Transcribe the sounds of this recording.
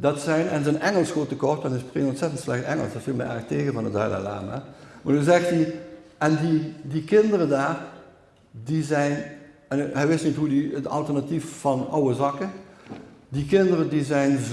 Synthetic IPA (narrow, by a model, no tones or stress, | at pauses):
dɑtsɛjnɛnzənɛŋəlˠsxoːtəkɔrt̚dɑnɪsprɪŋɔntsɛtəntslɛxtɛŋə̰lˠsɛtfilˠmɛ̰jʔɛ̰ɹxteːɣəvɑnətœ̰ːlə̰la̰ːma̰maːnyzɛxtiɛndidikɪndərədaːr | dizɛjn | ɛnɦɛjʋɪstnitɦudiətɑ̰lˠtərnatiffɑnɑ̰wəzɑkən | dikɪndərədizɛjn